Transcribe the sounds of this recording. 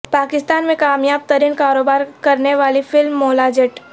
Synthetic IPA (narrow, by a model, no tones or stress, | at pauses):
paːkɪst̪aːnmẽkaːmjaːb̚t̪əɾinkaːɾoːbaːɾkəɾneʋaːlifʰɪlmːoːlad͡ʒeʈ